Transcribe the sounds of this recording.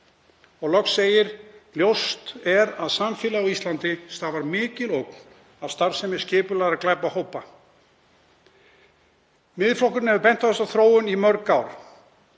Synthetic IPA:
ɔɣlɔksseːjɪɾljowst̪ɛɾaðsamfɪːlaɔist̪lant̪ɪst̪aːvaɾmɪːcɪlowkn̥ | avst̪aɾsɛmːɪ̥scɪːpʏlajɾaklajpahoːwpa | mɪðflohkʏɾnhɛvʏpɛn̥t̪aθɛst̪awθɾoːwʏnimœɾkawɾ

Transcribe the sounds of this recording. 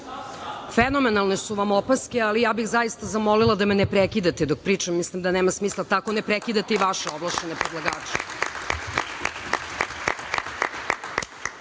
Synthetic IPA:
feno̞menalˠne̞suʋamopaskealijaːbixzajist̪azamolilˠad̪amenepɾekid̪at̪ed̪ok̚pɾiːt͡ʂamːislimd̪aneːmasmiːslˠat̪ako̞nepɾekid̪at̪eiʋaʃeoblˠaʃenepɾed̪lˠaɡaːt͡ʃe̥

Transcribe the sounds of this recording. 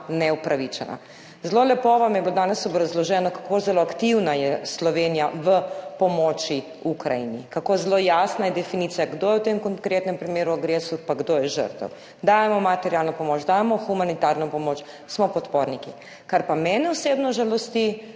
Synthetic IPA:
nɛupɾaʋit͡ʃɛ̰nʔa̰ | zlolɛpoʋamjɛblod̪aːnɛsɔbɾazlɔʒɛːnɔkḁkozɛloakt̪iwnajɛslɔʋeːnijaʋəpɔmɔːt͡ʃi | ukɾa̰jḭnikakozlojasnajɛd̪ɛfiniːt̪sijaɡd̪oːjɛwt̪emkɔŋkɾeːt̪nɛmpɾimeːɾuaɡɾeːsupaɡd̪ojɛʒə̰ɾt̪ɛ̰w | d̪aːjɛmɔmat̪ɛɾjalnɔpɔmoːt͡ʃd̪ajɛmɔxumanit̪aɾnɔpɔmoːt͡ʃ | smɔpɔt̪poɾniki | kaɾpamɛːnɛɔsebnɔʒalɔst̪i

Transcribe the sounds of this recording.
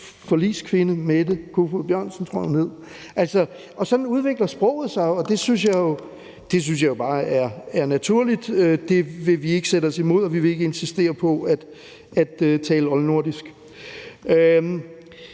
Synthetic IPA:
fɒ̽lḭːskʰʋe̝nəmed̥ekʰofub̥jɶɐ̰nsən̩t͡sʰʁɔ̰̥une̝ð̰ˠ | ʔælsɒ̽ | ʔɒ̽sɒ̽d̥n̩uð̞ˠʋe̝ɡ̥lɐsb̥ʁɔ̰̽ʊð̩ˠsɑ̈ɪɒ̽d̥e̝synsjɑ̈ɪjo̝ | d̥e̝s̬ynsjɑ̈jo̝b̥ɑ̈ːæɐæɐnæt͡sʰuɐ̰lid̥ød̥e̝ʋe̝ʋie̝ɡ̥əsedəɒ̽simo̝ð̰ˠɒ̽ʋiʋe̝e̝ɡ̥əe̝nsisd̥e̝̰ːɐpʰɒ̽æd̥ | æd̥øt͡sʰɛːləɒ̽lno̝ɐ̰d̥isɡ̥ | ø

